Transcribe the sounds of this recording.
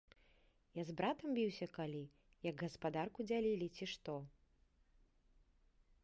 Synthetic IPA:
jazbɾat̪ɐmbʲiwsʲɐkalʲi | jɐɡɣɐspad̪arkud͡zʲalʲilʲit͡sʲiʂt̪ɔ

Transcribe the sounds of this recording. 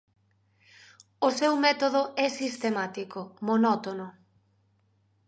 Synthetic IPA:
osewmɛt̪oðʊɛsist̪emat̪ikomonɔt̪onʊ

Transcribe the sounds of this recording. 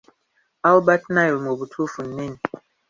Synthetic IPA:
albat̚najilmobutʰufunːin

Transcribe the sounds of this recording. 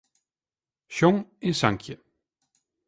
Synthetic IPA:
ʃɔŋesaŋkʰjə

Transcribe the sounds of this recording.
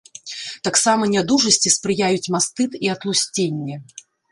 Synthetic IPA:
t̪aksamɐnʲad̪uʐɐsʲt͡sʲispɾɨjajut͡sʲmast̪ɨt̪iɐt̪lˠusʲt͡sʲenʲːɛ

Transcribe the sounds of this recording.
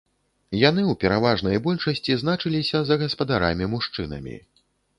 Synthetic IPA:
jan̪ɨuwpʲɛɾavaʐnɐjbɔlʲʂɐsʲt͡sʲiznat͡ʂɨlʲisʲɐzɐɣɐspɐd̪aɾa̰mʲimuʂt͡ʂɨnɐ̰mʲḭ

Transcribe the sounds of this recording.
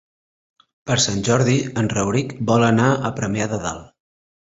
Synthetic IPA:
pəɾsanʲʒɔɾðiənrəwɾikbɔlənaəpɾəmeaðəða̰lˠ

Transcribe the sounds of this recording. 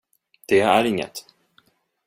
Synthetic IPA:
d̪̥ɛæɾɪŋːə̰t̪

